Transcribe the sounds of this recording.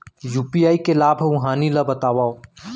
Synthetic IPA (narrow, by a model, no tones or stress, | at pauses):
juːpijaːikelaːbʱũɦaːnilabɐt̪aːʋaːo